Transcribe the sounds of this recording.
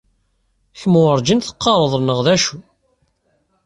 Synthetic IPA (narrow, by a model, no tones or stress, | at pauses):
çmwəɾˤd͡ʒinθə̥qːɑɾˤəðˤnəʁðæʃu